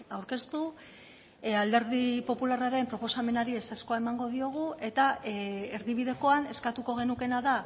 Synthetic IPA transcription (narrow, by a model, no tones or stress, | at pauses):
awɾke̞st̪u | ald̪e̞ɾðipo̞pularaɾe̞mpɾo̞po̞same̞naɾiesasko̞ae̞maŋɡo̞ðio̞ɣ̞ue̞t̪aeɾðiβ̞iðe̞ko̞ane̞skat̪uko̞ɣ̞e̞nuke̞naða